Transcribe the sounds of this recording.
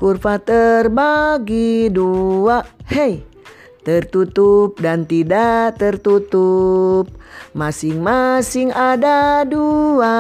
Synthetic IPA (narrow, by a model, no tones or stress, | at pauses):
kurfat̪ərbaɡiduaʔhej | t̪ərt̪ut̪up̚dant̪idat̪ərt̪ut̪up̚masɪŋmasiŋadadua